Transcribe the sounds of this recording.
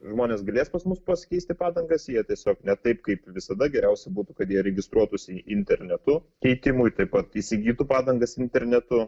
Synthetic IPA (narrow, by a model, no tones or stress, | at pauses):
ʒmoːnʲeːsɡɐlʲeːspɐsmʊspɐsʲkʲɛɪst̪ʲɪpɑːd̪ɐŋɡɐsjiɛt̪ʲiɛsʲoːknʲɛt̪ɐɪpkɐɪpʋʲɪsɐd̪ɐɡʲɛɾʲɛʊsʲɛbuːt̪ukɐt̪jiɛɾʲɛɡʲɪst̪ɾuɔt̪usʲɪɪnʲt̪ʲɛɾʲnʲɛt̪ʊ | kʲɛɪt̪ʲɪmʊjt̪ɐɪpɐt̪isʲɪɡʲiːt̪upɑːd̪ɐŋɡɐsɪnʲt̪ʲɛɾʲnʲɛt̪ʊ